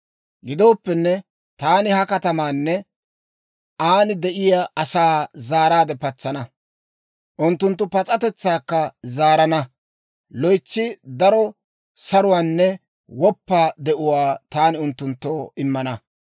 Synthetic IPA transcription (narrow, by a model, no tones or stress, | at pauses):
ɡɪd̪o̞ːpːɛnːɛ | t̪aːnɪhɐkɐt̪ɐmaːnːɛ | ʔaːnɪd̪ɛʔɪjaʔɐsaːzaːɾaːd̪ɛpɐt͡sːɐnɐ | ʔʊnt̪ːʊnt̪ːʊpɐt͡sʼɐt̪ɛt͡sːaːkːɐzaːɾɐnɐ | lɔjt͡ʃːɪd̪ɐɾɔ | sɐɾʊwaːnːɛ | wɔpːaːd̪ɛʔʊwaːt̪aːnɪʊnt̪ːʊnt̪ːoːɪmːɐnɐ